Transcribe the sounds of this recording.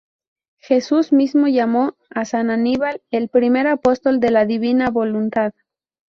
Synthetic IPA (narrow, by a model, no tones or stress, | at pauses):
xe̞suzmizmo̞ʝamo̞asananiβale̞lpɾime̞ɾapo̞st̪o̞ld̪e̞laðiβinaβo̞lunt̪að